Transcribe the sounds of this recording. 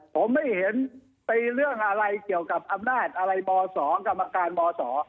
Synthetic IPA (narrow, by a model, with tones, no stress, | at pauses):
pʰo˩˦mːa˥˩jhe˩˦n | t̪i˧ɾɯ˥˩əŋʔa˧ɾa˧jki˨˩əwka˨˩p̚ʔa˧mnaː˥˩t̪̚ʔa˧ɾa˧jbɔː˧sɔː˩˦ka˧mːa˧kaː˧nbɔː˧sɔː˩˦